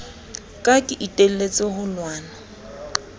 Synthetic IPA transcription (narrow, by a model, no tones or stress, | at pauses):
kʼakʼɪʔitʼel̩let͡sʼɪhʊlwaːna